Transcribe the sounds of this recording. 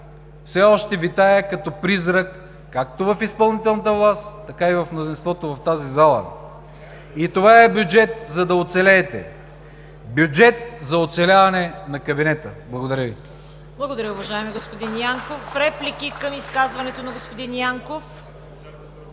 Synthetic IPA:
fsɛɔʃt̪ɛvit̪ajəkɐt̪ɔpɾizɾəkː | ak̚t̪ovɐfispɐlˠnit̪ɛlˠnət̪əvlˠast̪t̪ːɐkaivɐfmnozinst̪vɔt̪ovɐft̪azizalˠə̰ | it̪ovaɛbʲjud͡ʒɛt̪̚zɐd̪ɐot̪sɛlɛːt̪ɛ̰ | bʲjud͡ʒɛt̪̚zɐot̪sɛlʲavɐnɛnɐkɐbinɛt̪əblˠɐɡod̪ɐɾʲəvi | blˠɐɡod̪ɐɾʲəʊvɐʒaɛmiɡospod̪injaŋkofɾɛplikikəmiskazvɐnɛt̪onɐɡospod̪injaŋkof

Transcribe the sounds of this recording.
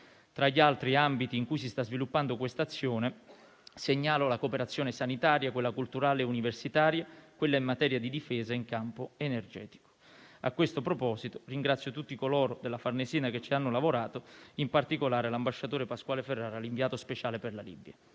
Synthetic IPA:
t̪ɾaʎːialt̪ɾiambit̪iːŋkujs̬ist̪azvilupːand̪okwest̪at̪sːjoːne | seɲːaːlolakopeɾat̪sːjoːnesanit̪aːɾjakwelːakult̪uɾaːleuniversit̪aːɾjakwelːaimːat̪ɛːɾjad̪id̪ifɛːzaiŋkampoenerd͡ʒɛ̰ːt̪i̥ko̥ | a̰kːwest̪opɾopɔːzit̪oriŋɡɾat̪sːjot̪ut̪ːikolɔːɾod̪elːafarneziːnaket͡ʃːianːolavoɾaːt̪oimpart̪ikolaːɾelambaʃːat̪oːɾepaskwaːleferːaːɾaliɱviaːt̪ospet͡ʃaːleperlalḭbːja

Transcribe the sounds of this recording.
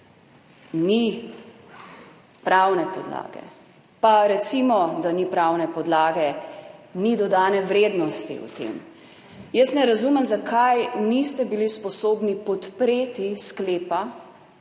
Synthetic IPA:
ni | pɾawnɛpɔ̰d̪la̰ːɡɛ̰ | paɾɛt̪simɔd̪anipɾawnɛpɔd̪laːɡɛ | nid̪ɔd̪aːnɛʋɾeːd̪nɔst̪ḭṵt̪ḛːm | jəsnɛɾazumɛmzakʰajnist̪ɛbilispɔsoːbnipɔt̪pɾeːt̪iskleːpa

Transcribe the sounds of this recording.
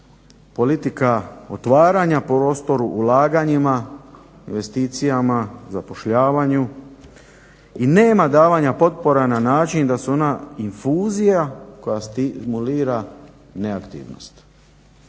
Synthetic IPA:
po̞lit̪ikao̞t̪ʋaːɾaɲapɾo̞ːst̪o̞ɾuʔːlaːɡaɲima | inʋe̞st̪iːt̪sijamazapo̞ʃʎaːʋaɲu | ineːmad̪aːʋaɲapo̞t̪̚po̞ɾananaːt͡ʃind̪asuo̞nainfuːzijako̞jast̪imuliːɾa | neakt̪ḭːʋno̰st̪

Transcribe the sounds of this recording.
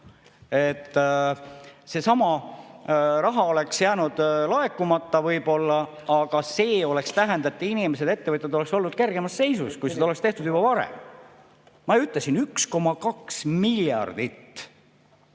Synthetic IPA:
et̪ː | se̞sɑmɑ | rɑɦɑo̞le̞ksjæːnud̪̥lɑe̞kːumɑt̪ːɑvɤjbo̞lːɑ | ɑɡ̥ɑse̞ːo̞le̞kst̪æɦend̪̥ɑet̪ːˑinimese̞d̪e̞t̪ːe̞vɤt̪ʲjɑd̪o̞le̞kso̞lːnud̪̥ke̞rɡ̥e̞mɑsːe̞jsuskujsed̪ɑoekst̪e̞ht̪ud̪̥ubɑvɑɾḛm | mɑeyt̪ːˑlesinyksko̞mɑkɑksmiljɑ̰rd̪̥it̪ː

